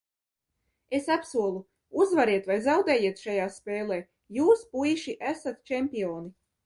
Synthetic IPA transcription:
e̞sapsuɔlˠu | uzvaɾiɛt̪vajzawd̪ɛːjiːɛt̪ʃajaːspeːlˠeː | juːspujʃiʔæsat̪t͡ʃɛmʲpʲiɔːni

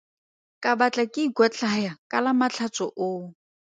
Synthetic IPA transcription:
kʼabat͡ɬʼakʼɪɡwat͡ɬʼajakʼalamat͡ɬʰat͡sʼɔʔoː

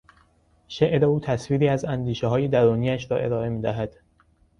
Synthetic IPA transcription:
ʃeʔɾeuːt̪ʰæsviːɾiːæzænd̪iːʃeɦɒːje̞d̪æɾuːniːæʃɾɒ̰ːʔe̞ɾɒːe̞miːd̪æɦæd̪̥

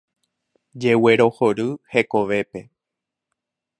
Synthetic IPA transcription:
d͡ʒe̞we̞ɾo̞hoɾɨhe̞ko̞ʋe̞pe̞

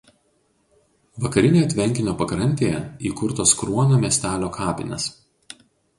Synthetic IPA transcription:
ʋɐkɐɾʲɪnʲeːjɐt̪ʲʋʲɛŋʲkʲɪnʲoːpɐkɾɐnʲt̪ʲeːjɛiːkʊɾt̪oskɾuɔnʲoːmʲɛsʲt̪ʲæːlʲoːkʰɑːpʲɪ̰nʲɛ̰s

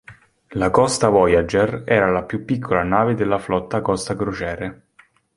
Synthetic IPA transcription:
lakɔst̪avɔjad͡ʒerɛːɾalapjupːikʰːolanaːved̪elːaflɔt̪ːakɔst̪aɡɾot͡ʃɛːɾe

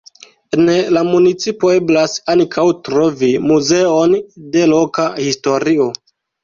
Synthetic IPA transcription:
enelamunit͡sipoe̞blasankʰawtɾo̞vimuze̞o̞nde̞lo̞kahisto̞ɾio̞

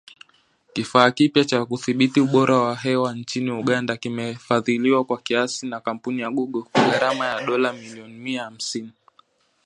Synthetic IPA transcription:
kifaːkipjat͡ʃakuθiɓitiuɓɔɾʔawaɦɛwant͡ʃiniuɠandakimɛfaðiliwakwakiasinakam̩punijaɠuɠɔkwaɡaɾamajaɗɔlamiliɔnimiaham̩sini

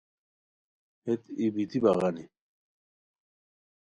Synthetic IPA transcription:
het̪ibit̪ʰibaɣani

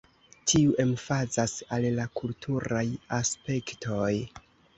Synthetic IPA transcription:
tʰiuʔe̞mfazasallakultʰuɾajaspe̞ktʰo̞j

